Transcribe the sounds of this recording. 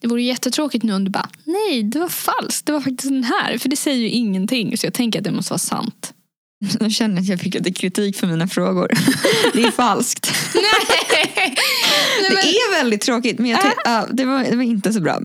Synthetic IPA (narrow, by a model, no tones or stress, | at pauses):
d̪̥ɛvuːɾəjjɛt̪ːət̪ʰɾoːkɪt̪nʉ̟ːɔnd̪ɵbɑ̰ːnɛjd̪ɛvaɾfalskt̚d̪ɛvaɾfak̚t̪ɪsk̚d̪ɛnɦæ̰ːɾfœɖɛsɛjːəɾjɵʔɪŋːənt̪ʰɪŋːsɔjɑːɡ̚t̪ʰɛŋkəɾat̪̚d̪ɛmɔst̪əvɑ̰ːsa̰nt̪ | d̪ɔɕɛnd̪əɾat̪jɑːɡfɪkːat̪ɛkʰɾɪt̪ʰiːkfœɾmiːnafɾoːɡʊ̰ɾd̪ɛæfalskt̪nɛ | nɛmɛɛvɛld̪ɪt̪ʰːɾoːkɪt̪mɛnjaɑːd̪ɛvaɾɛvaɾɪnt̪əs̬ɔbɾɑ̰ː